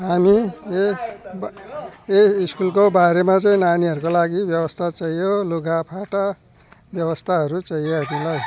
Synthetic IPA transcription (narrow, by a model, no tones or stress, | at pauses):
ɦami | beiskulkobaɾemat͡sʌĩnaniɦʌɾukolaɡibjʌbʌst̪ʰat͡sʌjjoluɡapʰaʈa | bjʌwʌst̪ʰaɦʌɾut͡sʌjad̪ilaj